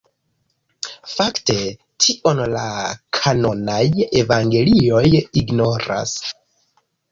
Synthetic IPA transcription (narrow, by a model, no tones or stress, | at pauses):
fakte̞ | tʰiʔo̞nlakʰano̞naje̞vaŋɡe̞lio̞jiɡno̞ɾa̰s